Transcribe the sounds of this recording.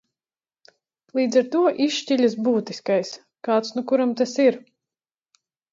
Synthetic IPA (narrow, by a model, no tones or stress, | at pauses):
lˠiːd̪zaɾt̪uɔʔiʃciʎʲas̬buːt̪iskajs | kaːt̪snukuɾamt̪asiɾ